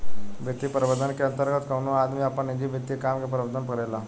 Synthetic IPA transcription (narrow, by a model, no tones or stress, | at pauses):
ʋet̪iːpəɾʋəd̪ənkeənt̪əɾɡət̪kənũad̪miːapəɳid͡ʑ̪iːbʱet̪ːikamkapəɾʋəd̪ənpəɾajla